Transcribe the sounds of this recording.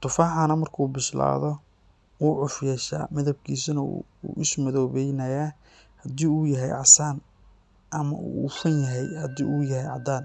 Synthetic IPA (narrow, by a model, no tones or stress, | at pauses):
t̪ʰʊfaːħanɐmɐrkʰuːbɪʃla̰ːðɔ | wuːʕʊfjɛːʃa̰ːmɪðɐb̚kʰiːsɐnɐ̰ | ṵːʔɪsmɐðɔːβɛjnɐjaː | hɐd̪iːuːjɐɦɛjʕɑsaːn | ʔɐmɐ̰ṵfɐnjɐɦɛjhɐd̪ḭːuːjɐɦɛjʕɑ̰d̪aːn